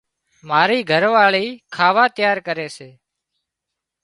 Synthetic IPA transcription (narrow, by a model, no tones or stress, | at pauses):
maːɾiːɡʱəɾʋaːɭiːkʰaːʋaːt̪ɪjaːɾkəɾeːseː